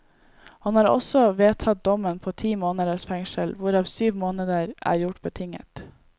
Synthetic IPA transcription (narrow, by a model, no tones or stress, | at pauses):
hɑnhɑːɾɔ̰sɔʋeːt̪ʰɑt̪̚d̪ɔmənpʰoːt̪ʰiːmoːnəd̪əʂfɛŋʃəlʋʊɾɑːʋsyːʋmoːnəd̪əɾʔæ̰ːɾjʊʈbət̪ʰɪŋə̰t̪